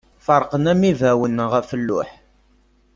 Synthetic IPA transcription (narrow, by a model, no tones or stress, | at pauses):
fəɾˤqənæmivæwənʁæfəlːʊ̰ħ